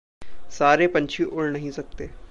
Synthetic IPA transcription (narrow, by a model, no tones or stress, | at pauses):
saːɾeːpəɲt͡ʃʰiːʔʊlnəɦĩːsək̚t̪eː